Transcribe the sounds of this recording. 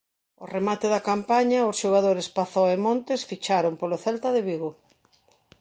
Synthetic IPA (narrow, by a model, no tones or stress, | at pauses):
o̰remat̪ɪðɐkampaɲaʊsʃoɣ̞aðoɾespaθɔemõnt̪ɪsfit͡ʃaɾompoloθɛlt̪ɐðɪβiɣo